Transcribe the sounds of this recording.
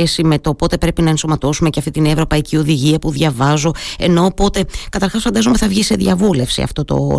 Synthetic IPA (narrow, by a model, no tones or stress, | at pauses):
esime̞t̪opo̞t̪epɾe̞pinɐensomɐt̪o̞sumeceɐft̪it̪inevɾo̞pɐicio̞ðiʝiɐpuðʝɐvɐzo̞e̞no̞ːpo̞t̪e̞kɐt̪ɐɾxɐsfɐnd̪ɐzomeθɐvʝise̞ðjɐvule̞fsḭɐ̰ft̪o̞t̪o̞̰